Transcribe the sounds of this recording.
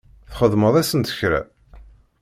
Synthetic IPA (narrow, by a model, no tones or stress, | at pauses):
θχəðˤməðˤæsənt̪ə̥çɾæ̰